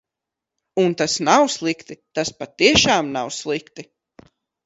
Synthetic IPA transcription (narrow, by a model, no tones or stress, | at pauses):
unt̪asnawslˠikt̪it̪aspat̪ːiɛʃaːmnawslˠikt̪i